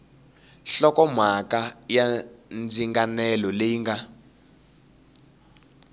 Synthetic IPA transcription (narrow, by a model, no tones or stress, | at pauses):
ɬɔkɔmakajand͡ziŋɡanɛlɔlejiŋɡa